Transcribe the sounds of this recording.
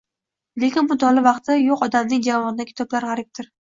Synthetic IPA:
le̞kʲɪnbʊd̪ɒlɪvɑqt̪joqɒd̪amnɪŋʲd͡ʒavɒnɪd̪akʲʰɪ̥t̪ʰɒblaɾʁɑɾɪp̚t̪ʰɪɾ

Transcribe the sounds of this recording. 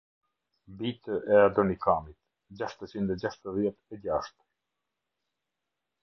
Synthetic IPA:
bit̪əɛad̪ɔnikʰamit̪ | d͡ʑaʃt̪ət͡ɕind̪ɛd͡ʑaʃt̪əðjɛt̪ɛd͡ʑaʃt̪

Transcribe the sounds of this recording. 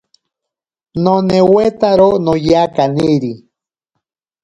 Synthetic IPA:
nonewet̪aɾonojakaniɾi

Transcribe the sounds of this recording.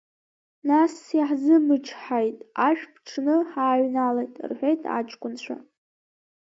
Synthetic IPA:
nasːiħzɨmɨʈ͡ʂʰħajtʼaʃᶣpʰʈ͡ʂʰnɨħaːɥnalejtʼrħʷᶣejtʼa̰t͡ʃʼkʷʼʊnt͡ɕʷʰa̰

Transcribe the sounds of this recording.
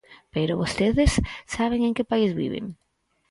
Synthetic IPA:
peɾʊβost̪eðɪsːaβ̞eŋẽŋkɪpaizβḭβɪ̰ŋ

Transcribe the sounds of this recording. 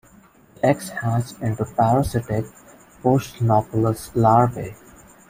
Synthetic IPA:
ekshæzɪ̃ɳʈupæɾəsɪʈɪk̚ | poːsʈnɔːpələslaːɾbe

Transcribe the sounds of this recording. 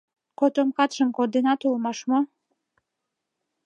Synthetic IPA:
kot̪omkɑt̪ʃəmkord̪enɑt̪olmɑʃmo

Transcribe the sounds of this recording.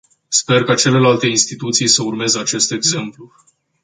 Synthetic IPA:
spe̞rkat͡ʃe̞le̞lalt̪e̞inst̪it̪ut̪sijsəurme̞zəat͡ʃe̞st̪e̞ɡze̞mplu

